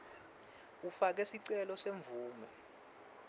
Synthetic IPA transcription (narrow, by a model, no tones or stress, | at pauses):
ufak̬ɛsiǀɛlɔseɱvʱuːmɛ